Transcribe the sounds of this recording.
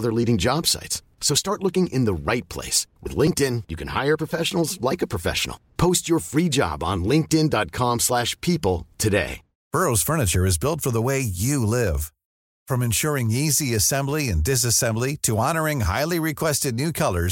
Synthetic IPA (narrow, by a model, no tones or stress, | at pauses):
ðə˞liɾɪ̃ŋd͡ʒɑb̥sa̰ɪts | soʊstɑɹtˡlʊkɪ̃ŋʔɪ̃nðəɹaɪt̚pʰl̥ḛɪswɨ̰ðlɪ̃ŋk̚tɪ̃njɨkʰɨ̃nha̰ɪə˞pʰɹ̥əfɛʃn̩l̩ˠzlaɪkəpʰɹ̥ɨfɛ̰ʃə̰n̩l̩ˠpʰoʊst͡ʃə˞fɹid͡ʒɑ̰b̃n̩lɪ̃ŋk̚tɪ̃ndɑt̚kʰɑ̃mslæʃpʰipl̩ˠtʰɨdḛɪ | b̥ɜ˞oʊz̥fɜ˞nɨt͡ʃə˞ɨzbɪlˠtfə˞ðəweɪjɨlɪv̥ | fɹʌ̃mɨ̃nʃʊɹɪ̃ŋiziɨsɛ̃mbliɨ̃ndɪs̬ɨsɛ̃mbliɾɨɑnə˞ɪ̃ŋɦa̰ɪlˠiɹɨkʰw̥ɛstɨdⁿnʉkʰʌlˠə˞z